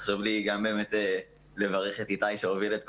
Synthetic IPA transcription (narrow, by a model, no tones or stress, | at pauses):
χʃovliɡambe̞ːme̞te | le̞vaʁe̞χet̪itajʃeovilet̪̚k